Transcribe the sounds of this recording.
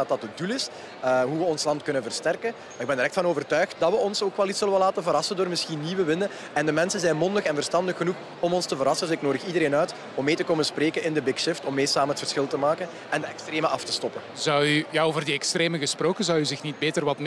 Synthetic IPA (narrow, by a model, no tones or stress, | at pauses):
ɑtɑtədulɪs | ɦuʋəɔnslɑntkɵnənvərstɛrkən | maːɾɪɡ̚bɛndəɾɛktfɑnoːvərtœːɥxt̚dɑtʋəɔnsoːkʋɛlˠitsɵləʋəlaːtənvəɾɑsəndoːrmɪsxinːiːwəʋɪnə | ɛndəmɛnsənzɛjnmɔndəxɛnvərstɑndəxːənux | ɔmɔnstəvəɾɑsənɪknoːdəxidəɾeːnœːt | ɔmːeːtəkoːməspreːkənɪndəbɪkʃɪftɔmːeːsaːmənɦətfərsxɪlˠtəmaːkən | ɛndəɛkstreːməʔɑftə̥stɔpənzɑwyjaoːvərdiɛkstreːməɣəsproːkənzɑwyzɪxnit̚beːtərʋɑtm